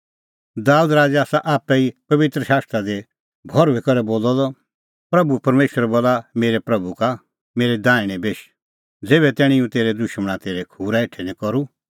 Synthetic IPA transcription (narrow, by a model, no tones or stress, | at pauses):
d̪aːuːd̪ɾaːd͡ʒeaːsaʔaːpːɛipɐʋɪt̪ɾəʃaːst̪ɾad̪e | bʱɔɾʋɛkɔɾɛboːlɔd̪ɔ | pɾɐbupɐɾmeːʃəɾɛboːlameːɾɛpɾɐbuka | meːɾɛd̪ãːɪɽ̃ɛ̃beːʃ | d͡zeːβɛt̪ɛːɽ̃ĩũt̪eːɾɛd̪ʊʃməɽ̃at̪eːɾɛkʰuːɾaeʈʰɛnĩkɔɾu